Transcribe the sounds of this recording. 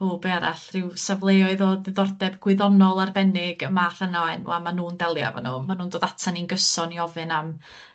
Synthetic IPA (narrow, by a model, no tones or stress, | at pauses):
uːbeaɾa̰ɬrɪwsavlˠeɔɨðoːdɨðɔrdɛbɡwɪðɔnɔlˠarbɛnɪɡ̥əmar̥ənɔɛnṵamanuːndɛlˠja̰va̰nuːmanuːndoːðatʰaninɡəsɔniɔvɨnam